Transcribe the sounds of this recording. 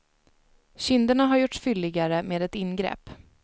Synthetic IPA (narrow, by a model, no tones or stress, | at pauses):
ɕʏnd̪əɳaɦaɾjʊʈsfʏlːɪɡaɾəmeːd̪ɛt̪ɪnɡɾɛ̰ːpː